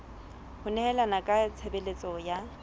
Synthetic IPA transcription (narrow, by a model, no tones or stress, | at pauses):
hʊnɛhɛlanakʼat͡sʰebelet͡sʼɔja